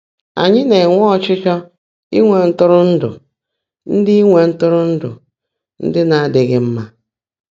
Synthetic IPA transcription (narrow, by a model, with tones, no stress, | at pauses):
a̰˨ɲɪ˦ne˨ŋʷɔ˦˨t͡ʃɪ˦t͡ʃɔ˦ | ḭ˦ŋʷe˨n̩˦tʊ˦ɾʊ˦n̩˦dʊ̰˨ | n̩˦dɪ˦i˦ŋʷe˨n̩˦tʊ˦ɾʊ˦n̩˦dʊ̰˨ | n̩̰˦dɪ˦na˨a˦˨dɪ˨ɣɪ˦m̩˦ma˦